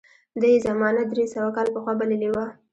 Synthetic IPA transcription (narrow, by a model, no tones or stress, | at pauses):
d̪əjzamɑnad̪ɾesawakɑlpəxwɑbaləliwa